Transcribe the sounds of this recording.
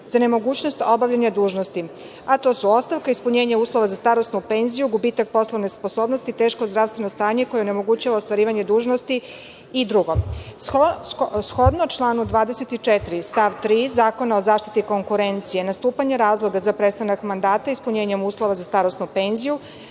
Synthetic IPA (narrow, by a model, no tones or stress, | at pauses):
z̥ane̞mo̞ɡuːt͡ɕno̞st̪o̞baʋʎaɲad̪uːʒnost̪i | at̪o̞ːsuo̞st̪aʋkaispuɲeːɲauːslˠo̞ʋazast̪aɾosnupenzijuɡubit̪ak̚po̞slˠoʋnespo̞soːbno̞st̪it̪e̞ːʃkozd̪ɾaʋst̪ʋe̞nost̪aːɲe̞kojeone̞mo̞ɡut͡ɕaʋaost̪ʋaɾiːʋaɲe̞d̪uːʒnost̪i | id̪ɾuɡo̞ | sxo̞d̪not͡ʃlˠaːnud̪ʋaːd̪eset̪it͡ʂet̪ɾist̪aʋt̪ɾiːzaːko̞naozaːʃt̪i̥t̪iko̞ŋkuɾent̪sije̞nast̪uːpaɲe̞ɾaːzlˠo̞ɡazapɾet̪st̪anakmand̪aːt̪aispuɲeːɲemuːslˠo̞ʋazast̪aɾo̞snupenziju